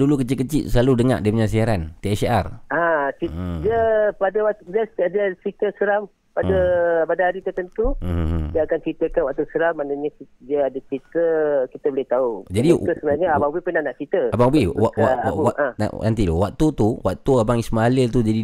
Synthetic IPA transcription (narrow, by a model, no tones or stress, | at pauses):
dulukət͡ʃit̪kət͡ʃiʔsəlaludəŋa̰ʔdiəpəɲas̬iaɾant̪eɛsa̰rat͡ʃidiəpadəwat̪dəsdiət͡ʃit̪əsəɾam | padəpadəaɾit̪ərt̪ənt̪udiəakant͡ʃit̪əkanwaʔt̪usəɾamːanəɲəidiəadət͡ʃit̪əkit̪əbəlɪt̪aud͡ʒadit̪əsəbənaɲəabaŋbipənanaʔt͡ʃit̪əababiaaaãa̰nant̪ilo̰wak̚t̪ut̪uwa̰k̚t̪uabaŋismalɪlt̪ud͡ʒadi